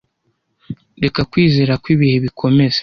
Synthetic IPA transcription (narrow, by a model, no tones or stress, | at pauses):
de̞kakwiːze̞ːɾakwiːβihe̞βikʰo̞me̞ze̥